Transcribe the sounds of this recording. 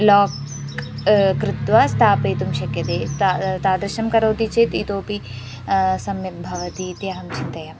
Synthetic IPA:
lɔːk | kɾɪt̪ʋɐst̪ʰaːpɾet̪umʃɐkjɐd̪eːt̪t̪aːd̪ɾɐʃɐmkɐɾoːt̪it͡ʃʰet̪it̪oːpi | sɐmjɐbʱɐʋɐt̪iːt̪jaːɐmt͡ʃʰit̪ːɐjɐ

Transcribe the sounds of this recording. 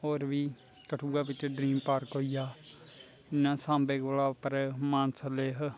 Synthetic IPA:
oːɾʋiː | kəʈʰuːɡaːʋɪt͡ʃɖɾiːmpaːɾkɦoːijaː | ɪnãːsãːmbeːɡolaːpəɾmaːnsəleːɦ

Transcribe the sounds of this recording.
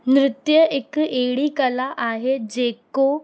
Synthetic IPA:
nɾɪt̪jəʔekeɽiːkəlaʔaɦed͡zeko

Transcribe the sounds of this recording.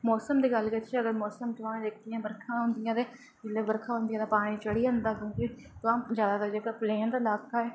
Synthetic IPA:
mɔːsəmd̪iːɡəlkət̪ʃeəɡəɾmɔːsəmt̪ʊʋãːdeːkʰd̪ijãːbəɾkʰãːɦʊ̃ːnd̪ɪjãːd̪eː | d͡ʒɪlːeːbəɾkʰãːɦʊ̃nd̪ijãːd̪aːpaːɽ̃ẽːt͡ʃəɽiːãnd̪aːkjõːki | t̪ʊãːd͡ʒaːd̪aːd̪aːd͡ʒəːɡaːpleːnd̪aːɪlaːkaːɛː

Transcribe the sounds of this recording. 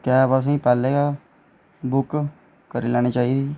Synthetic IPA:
kɛːbas̬ẽːpɛːleːɡaː | bʊk | kəɾiːlɛːñeːt͡ʃaːiːd̪iː

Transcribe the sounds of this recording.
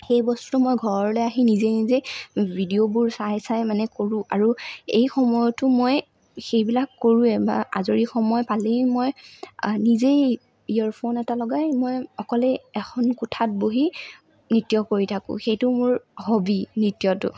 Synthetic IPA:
xejbɔstu̥tʊmojɡʱɔɹɔlɛaɦinizenizejbʱidiobʊɹsasajmanɛkoɹʊ̃a̰ɹuejxɔmɔjɔtʊmoj | xejbilakːoɹũɛba̰ʔa̰zoɹixɔmɔjpalejmoj | nizej | iaɹpʰonɛtalɔɡajmojɔkɔlɛɛxʰɔnkutʰat̚boɦi | nɹitjɔkoɹitʰakʊ̰̃xejtʊmʊɹhobinɹitijɔtʊ̰

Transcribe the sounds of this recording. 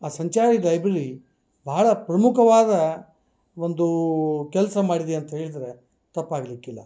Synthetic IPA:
aːsɐɲt͡ʃaːɾid̪ɐjbɾɐɾi | bʱaːɭɐpɾɐmukɐʋaːd̪ɐ | o̞nd̪ukɛlsɐmaːɽid̪eɐnt̪ɐɦeːɭid̪ɐɾe̞ | t̪ɐpːaːɡɐlikːilːɐ̰

